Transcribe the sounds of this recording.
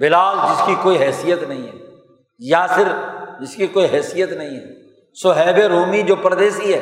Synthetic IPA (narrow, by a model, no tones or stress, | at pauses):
bɪlaːld͡ʒɪskikoːiɦɛːsijət̪nɐɦĩɦɛ̰ː | jasɪɾd͡ʒɪskikoːiɦɛːsijət̪nɐɦĩɦɛː | soɦɛːbeɾoːmid͡ʒoːpɾd̪eːsiɦɛː